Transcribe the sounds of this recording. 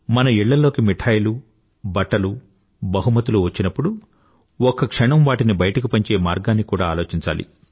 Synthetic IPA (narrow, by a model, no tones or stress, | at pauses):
mɐnɐiɭːɐlo̞ːkimiʈʰaːjlu | bɐʈːɐlu | bɐɦumɐt̪uluʋɐt͡ʃːinɐpːuɽu | ɔkːɐkʂɐɳɐmʋaːʈinibɐjɐʈɐk̬ipɐɲt͡ʃe̞ːmaːɾɡaːnːikuːɽaːlo̞ːt͡ʃiɲt͡ʃa̰ːlḭ